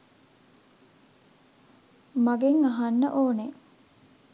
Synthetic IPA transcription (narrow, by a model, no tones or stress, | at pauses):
maɡeŋaɦanːə̰ʔoːne